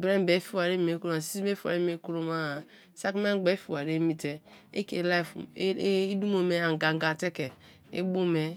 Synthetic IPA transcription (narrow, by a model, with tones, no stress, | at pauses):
bɾe˦m˦be˨˦fi˦wa˨ɾe˦me˨˦ku˦ɾo˦a˨si˦i˦be˦fi˦a˨ɾe˦m˦e˦ku˦ɾo˦ma˦˨ | sa˦kme˦ɡ͡be˨˦fi˦˨wa˨ɾe˦mi˦te˦e˦kḛ˨˦la˦˨fi˦du˦mo˨me˨a˨ŋ˨ɡa˨ŋ˨ɡa˨te˦ke˨ | ḛ˦bo˦me˨